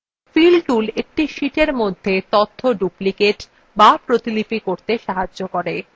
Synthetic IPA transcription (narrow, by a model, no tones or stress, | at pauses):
filɖɖulek̚ʈiʃiʈeɾmod̪ʱːet̪ot̪ʰːoɖuplikeʈ | bapɾot̪ilipikoɾt̪eʃaɦad͡ʑʑokoɾe